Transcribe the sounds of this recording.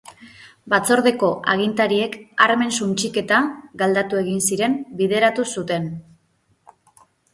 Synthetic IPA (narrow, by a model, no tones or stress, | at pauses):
bat͡so̞ɾðe̞ko̞ʔaɣ̞int̪aɾie̞kaɾme̞nsunt͡ʃike̞t̪aɡald̪at̪ue̞ɣinsiɾe̞mbiðe̞ɾat̪usut̪e̞n